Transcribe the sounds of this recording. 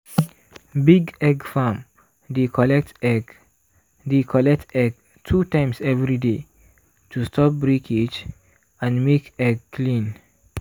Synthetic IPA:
biɡɛɡfãm | dekɔlɛk̚t | dekʰɔlɛk̚tɛɡ | tʰutãɪ̃msɛvɹide | tʰustʰɔp̚bɹikʰid͡ʒ | ãnmekɛɡ̚kʰlĩn

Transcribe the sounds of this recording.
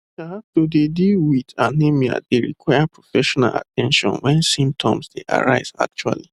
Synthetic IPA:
ʃatodedilwidanemia̰deɹḭkʰwaɪapʰɹɔfɛʃɔna̰la̰tʰɛ̃nʃɔ̰̃nwɛ̃nsĩmp̚tʰɔ̃msdeʔa̰ɹaɪz̥a̰k̚t͡ʃua̰li

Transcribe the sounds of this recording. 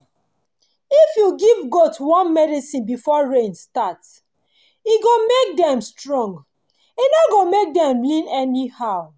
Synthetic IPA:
ifjuɡivɡotwɔ̃nmɛdisĩnbifɔɹẽnstat | iɡomek̚dɛ̃mstɹɔ̃ŋɡ | inoɡomek̚dɛ̃mlĩnɛnihaʊ

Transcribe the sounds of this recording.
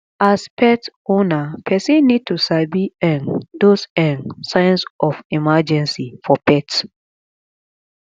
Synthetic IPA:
aspʰɛtonapʰɛsĩnːid̚tusabiɛ̃ndosɛ̃nsãj̃nsʔɔfimad͡ʒɛ̃nsifɔpʰɛt

